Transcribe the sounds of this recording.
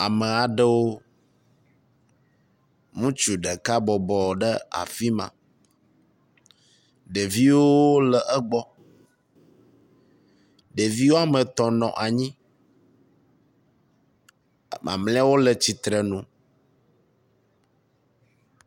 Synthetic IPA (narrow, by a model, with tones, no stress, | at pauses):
a˨mə˨a˨ɖə˦wo˦ | ŋũ˦t͡ʃu˨ɖə˨ka˦bɔ˨bɔ˨ɖə˦a̰˨fi˦mã̰˨ | ɖe˨vi˦wo˦lɛ˨ʔə˦ɡ͡bɔ˦ | ɖe˨vi˦wo˦a˨mə̃˨t̪ɔ˨nɔ̰̃˨ʔa˨ɲĩ˦˨ | mã̰˨mlɛ̃˦a˦wo˦lə˨t͡ɕi˨t̪ɾə˨nũ˨